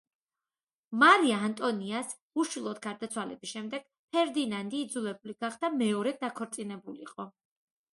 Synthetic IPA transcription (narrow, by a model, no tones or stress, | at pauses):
maɾiaːnt̪ʼɔnias | uʃilˠɔd̪ɡaɾd̪at̪sʰwalɛbisʃɛmd̪ɛɡ̥ | pʰɛɾd̪inand̪iːd̪zulɛbuliɡaχd̪amɛɔɾɛd̪akʰɔɾt̪sʼinɛbuliqʼɔ